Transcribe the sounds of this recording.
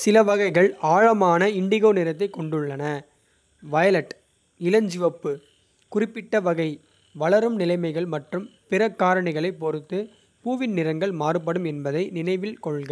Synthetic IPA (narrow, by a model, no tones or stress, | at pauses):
sɪlɐʋɐɣɐɪɣɐɭaːɻɐmaːnɐɪɳɖɪɣoːnɪɾɐt̪̬ːɐɪkːɔɳɖɯɭːɐnɐ | ʋɐjɐlɐʈ | ɪlɐɲd͡ʒɪʋɐpːɯ | kʊrɪpːɪʈːɐʋɐɣɐɪ | ʋɐɭɐɾɯmnɪlɐɪmɐɪɣɐɭmɐʈrɯmpɪɾɐkːaːɾɐɳɪɣɐɭɐɪpːɔɾɯt̪ːɯ | puːʋɪnnɪɾɐŋɡɐɭmaːrɯp̬ːɐɽɯmɛnbɐðɐɪnɪnɐɪʋɪlkɔɭɣɐ